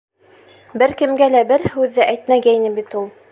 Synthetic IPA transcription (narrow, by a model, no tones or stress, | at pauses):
bɘɾkɘ̆mɡælæbɘɾhʉðːɘʔæjt̪mæɡæjnɘbit̪ulˠ